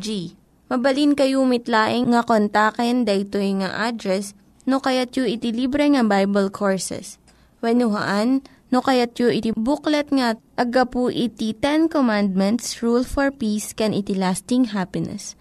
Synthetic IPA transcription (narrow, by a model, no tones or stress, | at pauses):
d͡ʒi | mɐbɐlinkɐjumɪt̪laːʔɪŋŋɐkont̪aːkɛnd̪ɐʔɪt̪ojŋaʔad̪ɾɛs | nokɐjat̪̚joʔɪt̪ɪlibɾɛŋɐbajbɐlkʰoɹsɛ̰s | wɐnʊɦɐ̰ʔanː | okɐjat̪̚joʔɪt̪ibuklɛt̪̚ŋɐʔɐɡɐpuʔɪt̪it̪ɛnkomand̪̚mɛnt̪sɹulfɔɹpiskɛnʔɪt̪ɪlast̪ɪŋɦapɪnɛ̰s